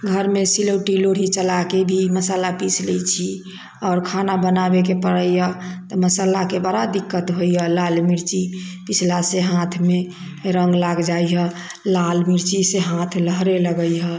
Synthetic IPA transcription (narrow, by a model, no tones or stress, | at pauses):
ɡʱəɾmesiləʈiloɽ̤it͡ʃəlakebʱiməsaːlapisʰleit͡ʃʰi | ɔːɾkʰanabənabek̬epəɽəiɦɛt̪ɔməsaːlakebəɾad̪ikːət̪ɦoiɦɛlalmiɾt͡ʃipɪt͡ʃʰlaseɦãt̪ʰme | ɾə̃ŋɡlaɡd͡ʒaiɦɛ | lalmiɾt͡ʃiseɦãt̪ʰləɦɾeləɡəiɦɛ